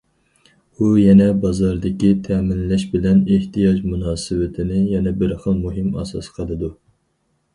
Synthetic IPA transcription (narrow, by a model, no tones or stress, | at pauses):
ujɛnɛbɑzɑɾd̪ɪkʲit̪ʰɛmɪnlɛʃbɪlɛneht̪ijɑd͡ʒmunɑːsɨwɪt̪ʰɪnɪjɛnɛbɪɾχəlˠmuɦɪmɑ̰sɑ̰sqʰəlˠɨd̪u